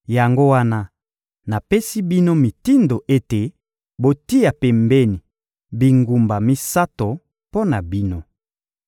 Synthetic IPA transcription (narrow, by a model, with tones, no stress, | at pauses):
ja˨ŋɡo˦wa˦na˦ | na˨pe˦si˦bi˦no˦mi˨ti˦ndo˨ʔe˦te˨ | bo˨ti˦a˨pɛ˨mbɛ˦ni˨ | bi˨ŋɡu˨mba˨mi˦sa˦to˨ | po˦na˨bi˦no˦